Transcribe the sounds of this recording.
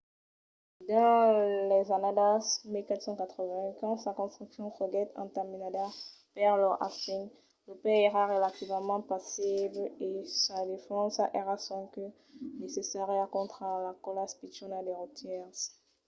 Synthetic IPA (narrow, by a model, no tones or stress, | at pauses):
d̪ɑ̃lɛzanad̪asmikat̪sɑ̃kat̪χəvɛ̃kɑ̃sakɔ̃st̪χyksjɔ̃ʁəɡɛt̪ɑ̰̃t̪aminad̪a | pɛʁlɔʔa̰sin | ləpɛeʁaʁelat̪ivmɑ̃pasiblesad̪efɑ̃saʔeʁasɔ̃kø | nesesaʁɛkɔ̃t̪χəlakɔlaspit͡ʃɔnad̪eʁut̪ʰjɛʁs